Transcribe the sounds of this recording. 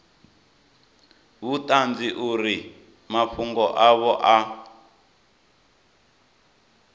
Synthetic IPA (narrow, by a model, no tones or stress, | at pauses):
βutand͡ziʔuɾi | maɸuŋɡɔʔaβɔʔa